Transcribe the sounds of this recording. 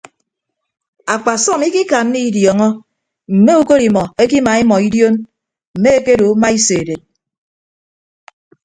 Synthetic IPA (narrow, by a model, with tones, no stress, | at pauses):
a˨k͡pa˨sɔ˦˨mi˦ki˦ka˨n̩ː˦i˦djɔ˨ŋɔ˦ | m̩˨me˦u˦ko˦ɾi˨mɔ˨e˦ki˦ma˨i˦mɔ˨i˦djo˦n | m̩˨me˦e˦ke˦ɾo˨˦ma˦i˦se˨de˨t̚